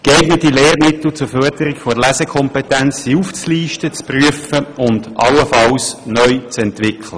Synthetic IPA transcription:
keɪɡnətileːrmɪtl̩t͡sʊføɐdəɾɪkfoɾəlæzəkʰɔmpɛtænt͡ssiuft͡sliːʃtət͡spryəfəʊndʔɑ̰ləfɑwsnœʏt͡sɛntʋɪkʰlə

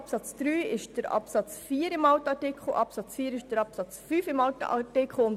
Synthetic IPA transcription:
psɑt͡sd̥ɾyːɪʃd̥əɾɑ̰psɑt͡sfiːɾɪmɑʊtəɑdekχoʔɑpsɑt͡sfiːɾɪʃd̥əɾɑpsɑt͡sfyːfɪmɑʊtə̰ɑ̰dekχoʊn

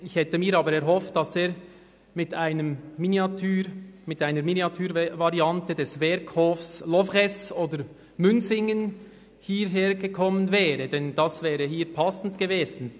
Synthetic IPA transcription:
ɪçhɛtəmiːɾɑːbəɾɛɾɦɔft̚d̥ɑseːɾ | mɪtaɪnəmminiɑtʰyːmɪtaɪnəɾminiɑtʰyːɾvaʁiɑntədɛsvɛɾkʰhoːfslɔvʁɛsoːdəɾ | mʏnzɪŋən | hiːɾɦeːɾɡəkʰɔmːənvɛːɾədɛnd̥ɑsvɛːʁəhiːɾpʰɑsn̩tɡ̥eveːzn̩

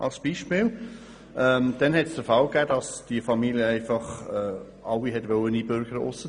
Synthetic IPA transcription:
ʔɑ̰lsb̥iʃpɪːl | ʔɛmd̥ɛnɦɛtsd̥əfɑlɡæːd̥ɑsd̥iəfɑmiljəæɪfɑχɛː | ɑwːiɦɛtʋœwənibøɾɡ̥əɾʊ̰sə

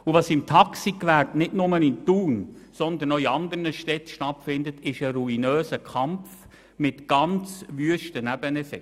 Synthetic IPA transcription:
uvɑsɪmt̪ʰɑksikʋæɾtnɪdnʊmənɪntuːnsɔnd̪ənɔiɑnd̪ənəʃtɛtʃtɑtfɪndət̪ɪʃəɾuinøːsəkʰɑmf | mɪt̪ɡ̥ɑnt͡sʋyəʃtənæb̥ənɛsɛ

